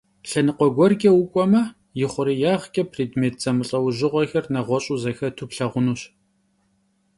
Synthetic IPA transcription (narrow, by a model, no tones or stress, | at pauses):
ɬɐnɨqʷɔɡʷɔrkʲʼɐwʊkʷʼɔmɐ | jɪχʷʊɾijaːʁkʼɐpʰriːdmeːt̚ʰz̥ɐmɨɬʼɐwʑɪʁʷɔxɐrnɐʁʷɔɕʼuzɐxɐtʰupɬɐʁʷʊnuːɕ